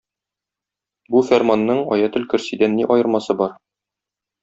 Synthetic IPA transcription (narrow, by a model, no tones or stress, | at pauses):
bufʲærmanːɤɴɒjɑt̪ɵ̆lkɵ̆ɾsid̪ænːiʔɒjɤ̆ɾmɑsɤbɒɾ